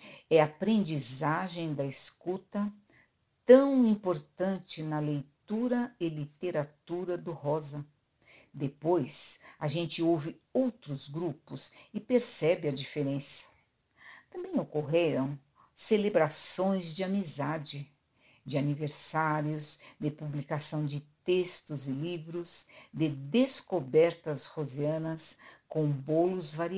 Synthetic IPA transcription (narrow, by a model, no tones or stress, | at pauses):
ɛapɾẽnd͡ʒizaʒẽj̃d̪ɐeskut̪ɐ | t̪ɐ̃w̃ĩpoɾt̪ɐ̃nt͡ʃɪnɐlejt̪uɾɐɪlit̪eɾat̪uɾɐd̪ʊɦɔzɐ | d̪epojsaʒẽnt͡ʃɪowvɪ | owt̪ɾʊzɡɾupʊsɪpeɾsɛbɪɐd͡ʒifeɾẽsɐ̥ | t̪ɐ̃mbẽj̃okoɦeɾɐ̃w̃ | selebɾasõj̃zd͡ʒɪamizad͡ʒɪ | d͡ʒɪaniveɾsaɾjʊzd̪ɪpublikasɐ̃w̃d͡ʒɪt̪est̪ʊzɪlivɾʊzd̪ɪd̪eskobɛɾt̪ɐshozeɐ̃nɐskõbolʊzvaɾi